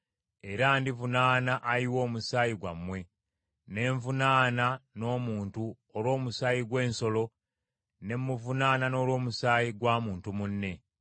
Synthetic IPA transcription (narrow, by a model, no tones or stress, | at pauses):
e̞ɾandivunaːnaʔaɾiwo̞ːmusaːjiɡwa̰mːwe̞ | ne̞ːɱvunaːnano̞ːmuːntu | olo̞ːmusaːjiɡwe̞ːnso̞lo̞ | ne̞mːuvunaːnano̞ːlwo̞ːmusaːjiɡwaːmuːntumunːe̞